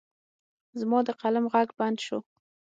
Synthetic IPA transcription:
zmɑd̪əqalamɣaɡband̪ʃo̰

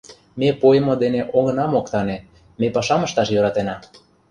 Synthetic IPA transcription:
mepojə̆mod̪eneʔoɣɤ̆nɑmokt̪ɑne | mepɑʃɑməʃt̪ɑʃjøɾɑt̪enɑ

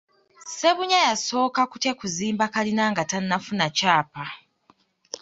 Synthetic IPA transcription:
se̞βuɲajaso̞ːkakutekuziːmbakalinaːŋɡatanːafunacaːpa

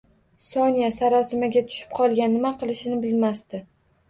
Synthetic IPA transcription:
sɒnijasaɾɒsɪmaɡʲat̪ʰʊ̥ʃɪ̥p̚qʰɒlˠɡʲanːɪmaqʰɨlˠɪʃɪnɪbɪlmast̪ɪ

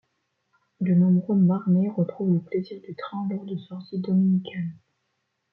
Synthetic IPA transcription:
d̪ənɔ̃bʁømaʁneʁət̪χuvləpleziʁd̪yt̪χɛ̃lɔʁd̪əsɔʁt̪id̪ɔminikʲʰal

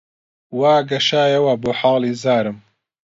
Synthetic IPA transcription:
waːɡɐʃaːjɐwɐboːħaːliːzaːɾɨm

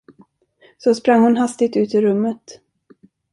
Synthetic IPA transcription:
sɔspɾaŋːhʊnɦast̪ɪt̪ʉ̟ːt̪ɪɾɵmːət̪

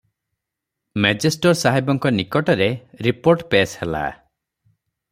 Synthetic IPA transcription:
med͡ʒesʈɔɾsaɦibɔŋkɔnikɔʈɔɾeɾipoɾʈpeshela̰

